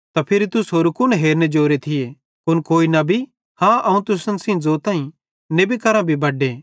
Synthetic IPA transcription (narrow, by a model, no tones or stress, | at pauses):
t̪apʰɪɾit̪ʊsɦoːɾukʊnɦeːɾned͡ʒoːɾet̪ʰɪje | kʊnkoːinɐbʱi | hãːʔɐũt̪ʊsənsĩd͡zoːt̪ãːĩ | nebikɐɾãbʱibʱɐɖːeː